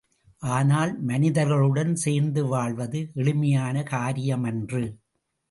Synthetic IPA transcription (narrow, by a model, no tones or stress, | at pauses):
ʔaːnaːlmɐnɪðɐɾɣɐɭɯɽɐnseːɾnd̪ɯʋaːɭʋɐðɯʔɛɭɯmɐjaːnɐkaːɾɪjɐmɛndrɯ